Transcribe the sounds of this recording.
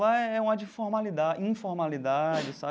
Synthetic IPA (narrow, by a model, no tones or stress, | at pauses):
lɐɛɛũɐd͡ʒifoɾmalid̪aĩfoɾmalid̪ad͡ʒɪsa